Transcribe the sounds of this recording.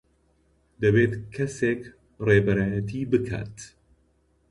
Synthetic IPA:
d̪ɐβeːt̪kʰɐseːk | reːbɐɾaːjɐt̪ʰiːbɨkʰa̰ːt̪

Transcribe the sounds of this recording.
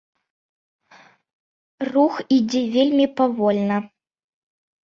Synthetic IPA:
ruxid͡zʲɛvʲelʲmʲipavɔlʲnɐ

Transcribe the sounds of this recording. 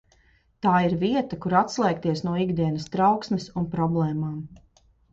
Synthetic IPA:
t̪aːiɾviɛt̪akuɾat̪slˠɛːk̚t̪iɛsnuɔiɡd̪iɛnɐst̪ɾawksmɪsunpɾɔblˠɛːmaːm

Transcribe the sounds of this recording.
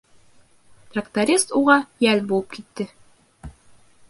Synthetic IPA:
t̪rɐkt̪ɐɾʲist̪uʁɑjælbulˠɤp̚kit̪ːɘ

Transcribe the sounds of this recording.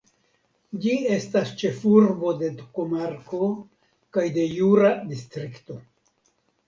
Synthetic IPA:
d͡ʒie̞stast͡ʃe̞fuɾbo̞d̪e̞d̪ukomaɾko̞ | kajde̞juɾad̪istɾikto̞

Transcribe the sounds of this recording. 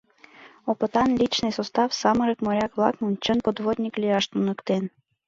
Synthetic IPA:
opɤt̪ɑnlʲit͡ɕnɨjsost̪ɑfsɑməɾəkmoɾʲɑkβlˠɑ̰kmunʲt͡ɕənpod̪vod̪ʲnʲiklʲijɑʃt̪unə̆kt̪en

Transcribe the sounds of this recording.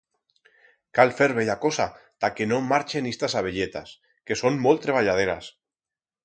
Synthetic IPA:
kalfeɾβeʎakosat̪akenomaɾt͡ʃenist̪asaβ̞eʎet̪a̰s | ke̞sonmolt̪ɾeβ̞aʎað̞eɾa̰s

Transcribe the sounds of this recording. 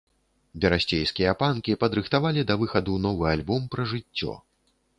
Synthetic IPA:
bʲɛɾasʲt͡sʲejskʲijɐpankʲipɐd̪ɾɨxt̪avalʲid̪ɐvɨxɐd̪unɔvɨalʲbɔmpɾɐʐɨt͡sʲːɔ̰

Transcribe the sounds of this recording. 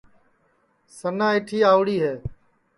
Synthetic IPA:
sənãːɪʈʰiːaːʊɽiːɦeː

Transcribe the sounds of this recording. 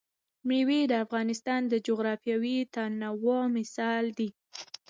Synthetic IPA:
mɳiwid̪əafɣɑnɪst̪ɑnd̪əd͡ʒoɣɾɑfjɑwit̪anawomɪsɑld̪i

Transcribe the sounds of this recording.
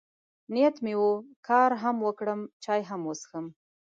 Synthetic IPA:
nijat̪mewukʰɑɾɦamwəkɽəmt͡ʃɑjɦamwəsxəm

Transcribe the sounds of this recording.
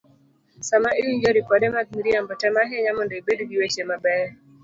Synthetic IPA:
samaʔijuɲd͡ʒoɾipadɛmat̚miɾiambɔtɛmaɦeɲamɔndɔibedɡiwet͡ʃemabɛ

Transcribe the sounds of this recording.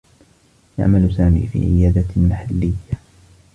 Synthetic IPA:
ja̰ʕmalsaːmḭːfḭːʕɪjaːd̪amaħalːɪjːa

